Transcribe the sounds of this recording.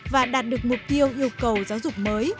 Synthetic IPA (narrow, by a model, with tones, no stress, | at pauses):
vaː˨˩ɗaː˨˩t̚ɗɨ˨˩ək̚mʊ˨˩k͡p̚t̪i˧əwʔi˧əwkə˨˩wzaː˨˦wzʊ˨˩k͡p̚məː˨˦j